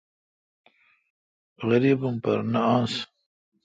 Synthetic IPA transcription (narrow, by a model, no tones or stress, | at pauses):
ɣəɾiːbumpɐ̰ɾnaãːns